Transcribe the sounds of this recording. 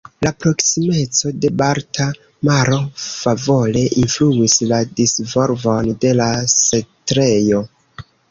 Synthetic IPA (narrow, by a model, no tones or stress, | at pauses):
lapɾo̞ksime̞t͡so̞de̞baɾta | maɾo̞favo̞le̞ʔinfluisladisvo̞ɾvo̞nde̞lasetɾejo̞